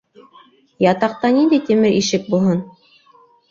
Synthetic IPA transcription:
jɑt̪ɑq̚t̪ɑnind̪æjt̪imɘɾiʃɘk̚bulˠɦɤn

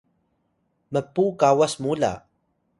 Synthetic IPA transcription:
məpːukawasmula̰

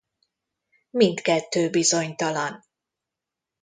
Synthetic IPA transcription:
mint̪kɛt̪ːøːbizo̞ɲt̪ɒlɒn

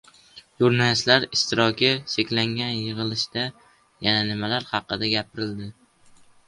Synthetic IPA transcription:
ʒuɾnalɪst̪laɾɪst̪ʰɪɾɒkʲʰɪʃekʲlaŋɡʲanjɨʁɨlˠɪʃd̪a | jananɪmalaɾhɑqːɨd̪aɡʲap̚ʰɪɾɪld̪ɪ

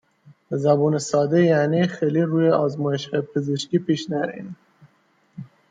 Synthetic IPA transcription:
zæbuːnesɒːd̪ejænixeliɾuːjeɒːzmɒːjeʃhɑːjepʰezeʃkiːpʰiːʃnæɾḭn

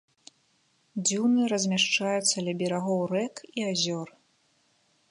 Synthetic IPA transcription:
d͡zʲiwnɨɾɐzʲmʲaʂt͡ʂajut̪sːɐlʲɐbʲiɾaɣɔwrɛkiazʲɔr

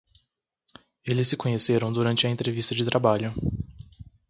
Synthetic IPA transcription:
elɪsːɪkõɲeseɾɐ̃w̃d̪uɾɐ̃nt͡ʃɪɐẽnt̪ɾevist̪ɐd͡ʒɪt̪ɾʔabaʎʊ

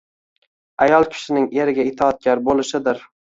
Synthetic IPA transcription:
ajɒlˠkʲʰɪ̥ʃɪnɪŋeɾɪɡʲaɪt̪ʰɒːt̪̚ɡʲaɾbolɪʃɪd̪ɪɾ

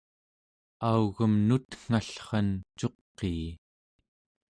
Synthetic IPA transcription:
auɣəmnut̪ŋ̥aɬχɑnt͡ʃo̞qːeː

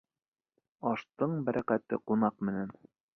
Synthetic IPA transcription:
ɑʃt̪ɤɴbæɾʔækæt̪ɘqunɑqmɘ̆næn

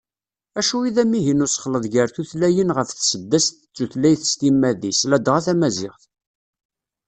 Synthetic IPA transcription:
æʃuiðæmiɦinʊsə̥χləðˤʝəɾθuθlæjənʁəfθsəd̪ːæst̪t͡sːuθlæjθəst̪imːæðislæd̪ʁaθæmæzɪʁθ

